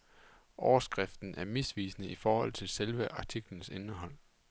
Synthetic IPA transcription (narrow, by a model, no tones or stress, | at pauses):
ʔɒʊɐsɡ̥ʁɛfd̥n̩ʔæɐmisʋḭːsnəifɒːhɒ̽l̰t͡sʰe̝lselʋəʔɑ̈t͡sʰiɡ̥lən̩senəɦɒ̽l̰